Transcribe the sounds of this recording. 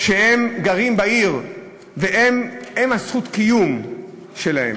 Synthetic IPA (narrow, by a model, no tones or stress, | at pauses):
ʃehemɡaʁimbaiʁ | veʔememhasχut̪kijum | ʃelahḛm